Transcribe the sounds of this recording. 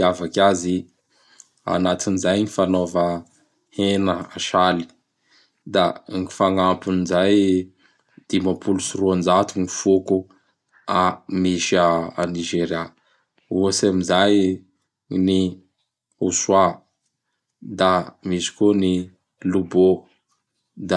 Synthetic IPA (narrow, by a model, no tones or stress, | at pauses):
avakʲazi | a̰nat̪inizajnifanovə | henəa̰ʃali̥ | d̪aŋifaŋampunizaj | d̪̥imapʰulusuɾuand͡ʒat̪unifuku | amiʃaa̰niʒeɾja | uasamizaj | ni | uswa | d̪amiʃi̥koni | lubo | d̪a